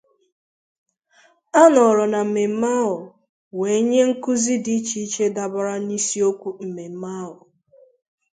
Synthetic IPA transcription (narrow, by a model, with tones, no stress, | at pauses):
a˦nɔ˨ɾɔ˨na˨me˨m̩˦ma˦ʊ˨ | we˨˦ɲe˦ŋ̩˦kʊ˦zi˦di˦t͡ʃi˦i˦t͡ʃe˦da˨bʊ˨ɾa˦ni˦si˦o˦kʷu˦m̩˨me˨m̩˦ma˦ʊ˨